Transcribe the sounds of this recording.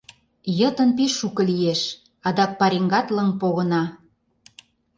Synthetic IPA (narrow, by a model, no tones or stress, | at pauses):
jɤt̪ə̆np̬eʃːukə̆lijeʃ | ɑd̪ɑk̚pɑɾeŋɡɑt̪ləŋpoɣɤ̆nɑ